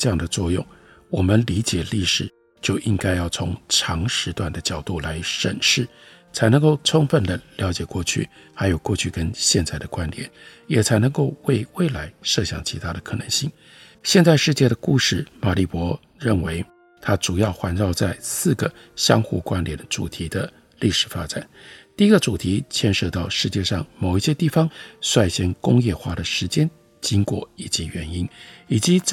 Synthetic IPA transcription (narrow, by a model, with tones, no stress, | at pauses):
ʈ͡ʂɤ˧jɑ˥˩ŋd̪ə˩t͡swɔ˥˧jʊ̰˥˩ŋ | wɔ˨˩mə˦nli˧˥t͡ɕjɛ˨˩li˥˩ʂɻ̩˨˩ | t͡ɕjo˥˩ʊʔi˥ŋka˥ɪjɑ˥˩ʊt͡sʰʊ̰˧˥ŋʈ͡ʂʰɑ˧˥ŋʂɻ̩˧˥t̪wa˥˩nd̪ə˩t͡ɕjɑ˨˩ʊt̪u˥˩la˧˥ɪʂə˨˩nʂɻ̩˥˩ | t͡sʰa˧˥ɪnɤ˧˥ŋko˥˩ʊʈ͡ʂʰʊ˥ŋfə˨˩nd̪ə˩ljɑ˧˥ʊt͡ɕjɛ˨˩kwɔ˥˧t͡ɕʰy̰˥˩ | xa˧˥ɪjo˨˩kwɔ˥˧t͡ɕʰy˥˩kə˥nɕjɛ˥˧nt͡sa˥˩ɪd̪ə˩kwa˦˥nljɛ̰˨˩˦njɛ˨˩t͡sʰa˧˥ɪnɤ˧˥ŋko˥˧ʊwe˥˧ɪwe˥˩ɪla˧˥ɪʂɤ˥˧ɕjɑ̰˨˩ŋt͡ɕʰi˧˥t̪ʰa˥ɾə˨kʰɤ˨˩nɤ˧˥ŋɕi˥˩ŋ | ɕjɛ˥˧nt͡sa˥˧ɪʂɻ̩˥˧t͡ɕjɛ˥˩ɾə˩ku˥˧ʂɻ̩˥˩ma˨˩li˥˩pwɔ˧˥ | ɻə˥˩nwe˧˥ɪ | t̪ʰa˥ʈ͡ʂu˨˩jɑ˥˩ʊxwa˧˥nʈ͡ʂɑ˥˧ʊt͡sa˥˧ɪsɹ̩˥˩ɡə˩ɕjɑ˥ŋxṵ˥˩kwa˥nljɛ˨˩nəʈ͡ʂṵ˨˩t̪ʰi˧˥d̪ə˧ | li˥˩ʂɻ̩˨˩fa˥ʈ͡ʂa̰˨˩˦nt̪i˥˧i˧˥ɡə˨˧ʈ͡ʂu˨˩t̪ʰi˧˥t͡ɕʰjɛ˥˧nʂɤ˥˧t̪ɑ˥˧ʊʂɻ̩˥˧t͡ɕjɛ˥˧ʂɑ˥˩ŋmo˨˩ʊi˥˩ɕjɛ˥t̪i˥˩fɑ˧ŋswa˥˧˩ɪɕɛ˧˥nkʊ˥ŋjɛ˥˧xwa˥˩d̪ə˩ʂɻ̩˧˥t͡ɕjɛ˥n | t͡ɕi˥ŋkwɔ̰˥˨˩i˨˩t͡ɕi˧˥ɥɛ˧˥ni˥ni˨˩t͡ɕi˧˥